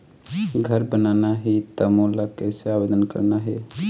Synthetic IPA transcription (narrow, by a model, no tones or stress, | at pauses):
ɡʱəɾbənaːnaɦit̪əmõlakeseaːʋed̪ənkə̰ɾnaɦɛ